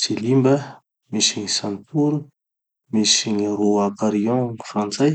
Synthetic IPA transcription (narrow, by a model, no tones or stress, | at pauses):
silimbə | misiŋisant̪uɾu | misiɲiroakaɾiɔ̃fɾãnt͡saj